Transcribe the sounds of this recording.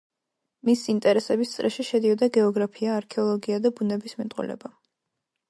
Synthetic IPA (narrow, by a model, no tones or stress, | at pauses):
misiint̪ʼɛɾɛsɛbist̪sʼɾʔɛʃiʃɛd̪iɔd̪aɡɛɔɡɾapʰiaːɾkʰɛɔlˠɔɡiad̪abunɛbismɛt̪ʼṵlɛ̰ba